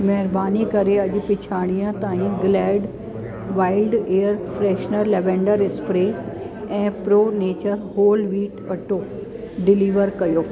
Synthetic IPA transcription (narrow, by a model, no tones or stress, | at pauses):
mɛɦɪɾbaːnikɐɾeɐʄ̆pɪt͡ɕʰaːɽ̃ijə̃t̪aːɦĩɡlɛːɖ | ʋaːɪlɖeːəɾfɾɛːʃnəɾlɛʋɛ̃ːɳɖəɾɪspɾe | ɛ̃ːpɾoːneːt͡ɕəɾɦoːlʋiːʈɐʈoː | ɖɪliːʋəɾkɐjoː